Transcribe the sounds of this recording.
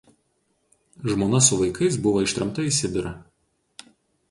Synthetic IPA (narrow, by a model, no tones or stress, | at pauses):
ʒmoːnɐsʊʋɐɪkɐɪsbʊʋoːɪʃt̪ʲɾʲɐmt̪ɐiˑsʲɪb̪ʲɪɾɐ